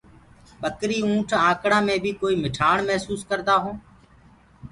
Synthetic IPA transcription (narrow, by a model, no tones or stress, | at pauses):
ɓəkɾiːũːʈʰãːkɽãːmẽːbʱiːkoːiːmɪʈʰaːɳmɛɦsuːskəɾd̪aːɦõː